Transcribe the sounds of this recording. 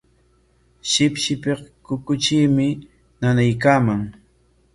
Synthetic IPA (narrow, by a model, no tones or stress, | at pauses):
ʃɪpʃɪpeχkʊkʊt͡ʃiːmɪ | nanajk̬aːmaŋ